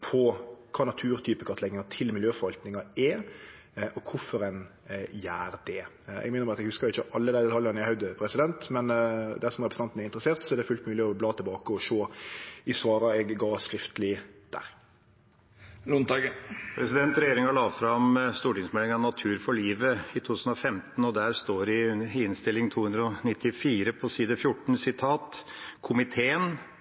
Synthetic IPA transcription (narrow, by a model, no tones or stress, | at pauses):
pʰɔkʰɑːnɑt̪ʰʉːɾt̪ʰyːpəkʰɑt̪əlɛɡnɪŋɑt̪ʰɪlmɪljøːfɔɾʋɑlt̪nɪŋɑɛ | ʔɔkʰʊfɔɾɛn | jæːɾd̪̥ɛ | ɛ̰ɡmɛɪnəbɑːɑt̪ɛɡhʉskəɾɪçəʔɑlːəd̪æɪd̪ɛt̪ʰɑljɑʁnæhœʉd̪əpʰɾɛsɪd̪ɛnt̪mɛnd̪æʁsɔmɾɛpɾs̩ɑnt̪n̩æɾɪnt̪ɾəseːʁt̪sɔɛd̪ɛfʉlt̪mʉːlɪɔblɑːt̪ʰɛlbɑːkəɔʃoːɪsʋɑːɾɑɛɡɡɑːskɾɪft̪ʰəlɪd̪̥æ̰ːɾ | nʊnɑɡpʰɾɛsɪd̪ɛnt̪ɾɛjeːɾɪŋɑɭɑːʋfɾɑmst̪uːʈɪŋsmɛlɪŋɑnɑt̪ʰʉːɾfɔɭiːʋəɪt̪ʰuːt̪ʰʉːsn̩ɔfɛmt̪n̩ɔd̪æɾst̪oːɾɪɪnst̪ɪlːɪŋt̪ʰuːhʉnd̪ɾəɔnɪt̪ʰːɪfiːɾəpʰɔsiːd̪əfjʊʈːɳ̩sɪt̪ʰɑːt̪kʰʊmɪt̪ʰeːən